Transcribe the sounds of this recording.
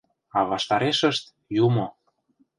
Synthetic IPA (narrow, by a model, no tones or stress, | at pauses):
ɑβɑʃt̪ɑɾeʃə̆ʃt̪ | jumo